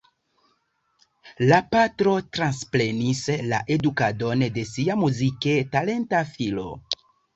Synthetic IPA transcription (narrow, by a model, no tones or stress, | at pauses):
lapatɾo̞tɾansple̞nisla̰ʔe̞dukado̞nde̞siamuzike̞tale̞ntafilo̰